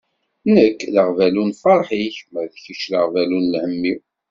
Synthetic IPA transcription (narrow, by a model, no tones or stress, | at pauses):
nəkːləʁvælunfɑɾˤħiçəmːəɾθθiʃləʁvælunlhəmːiw